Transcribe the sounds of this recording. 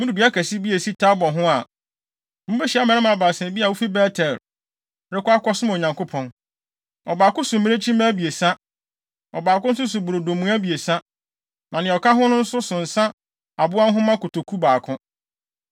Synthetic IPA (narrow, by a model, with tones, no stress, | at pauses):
mũ˦du˨bi˨˦a˦kʰæ˨si˦bi˦e˨si˦tʰa˦bɔ˨ɦʊ̃˦a˨ | mũ˦be˦ɕi˨a˦mɛ̃˨ɪ˦mã˨baː˨sɛ̃˨bi˦a˨wu˦fi˦bɛ˦tʰɛ˨l | ɾɪ˦kʷʊ˦a˦kɔ˦sʊ̃˦m˨ɲã˨ŋkʊ˦pʰɔ̃˦n | ɔ˨baː˨kʊ̃˦sʊ̃˨m˨mĩ˦ne˦t͡ɕʰi˦mɛ̃˦bi˨e˨sã˦ | ɔ̰˨baː˨kʊ̃˦n̩˦s̬ʊ˦s̬ʊ˨bu˨ɾo˨do˨mũ˨˦æ˦bi˨e˨sã˦ | mã˨nɪ̃˨ɔ˨ka˦ɦʊ̃˦nʊ̃˦n̩˦sʊ˦sʊ̃˨n̩˨sã˦ | a˨bʊ˦a˦n˦ɦʊ̃˦mã˦kʊ˨tʰo˨kʰu˦baː˨kʰʊ̃˦